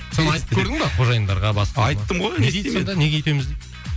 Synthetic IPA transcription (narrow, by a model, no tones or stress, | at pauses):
sonənɑjt̪əpkʰʲɵɾd̪ɪŋb̪ɑqʰo̞ʒɑjənd̪ɑɾʁɑbɑsqɑɑjt̪ːəɴʁojnesemed̪æne̞ɡʲeet̪emɪzd̪et̪